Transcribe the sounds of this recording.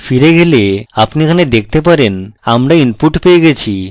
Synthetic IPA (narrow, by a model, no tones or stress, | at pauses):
fiɾeɡeleapnikʰaned̪ek̚ʰt̪epaɾenamɾainpuʈpeeɡet͡ɕʰi